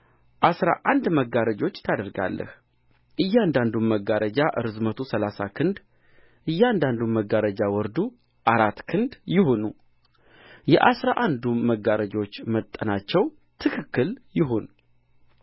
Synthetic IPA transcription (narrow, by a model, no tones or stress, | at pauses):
ʔasɾa̰ʔand̪məɡaɾəd͡ʒo̞t͡ʃːt̪ʰad̪əɾɡa̰lːə̰h | ʔɨjːand̪and̪umːəɡaɾəd͡ʒaʔɨɾɨzmət̪ʰusəlasakʰɨnd̪ | ʔɨjːand̪and̪umːəɡaɾəd͡ʒawɔɾd̪u | ʔaɾat̪ːkʰɨnd̪jɪhonu | jɛʔasɾaʔand̪uməɡaɾəd͡ʒo̞t͡ʃːmət̪ʼːənat͡ʃːɛw | t̪ʰɨkʰɨkːɨljɪɦon